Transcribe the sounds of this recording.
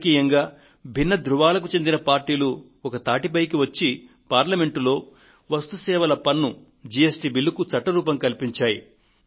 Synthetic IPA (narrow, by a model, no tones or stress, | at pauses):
kiːjɐŋɡaː | bʱinːɐd̪ɾuʋaːlɐk̬ut͡ʃe̞nd̪inɐpaːɾʈiːlu | ɔkɐt̪aːʈipɐjkiʋɐt͡ʃːi | paːɾlɐme̞ɳʈulo̞ː | ʋɐst̪usɛːʋɐlɐpɐnːu | d͡ʒiesʈibilːukut͡ʃɐʈːɐɾuːpɐmkɐlpiɲt͡ʃaːjḭ